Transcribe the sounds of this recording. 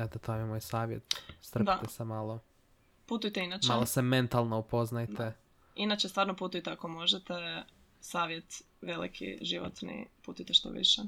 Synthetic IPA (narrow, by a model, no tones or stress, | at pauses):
et̪ot̪ʰomjemoːjsaːʋjḛt̪st̪ɾd̪at̪esemaːlˠo | put̪ujt̪einaːt͡ʃmalˠosement̪alˠnoupo̞znajd̪e | inat͡ʃest̪ʋaːɾnoput̪ujt̪eako̞mo̞ʒet̪e | saːʋje̞t̪ | ʋe̞lḭkʰḭʒiʋo̰t̪nḭput̪ujt̪eʃt̪o̰ʋḭʃe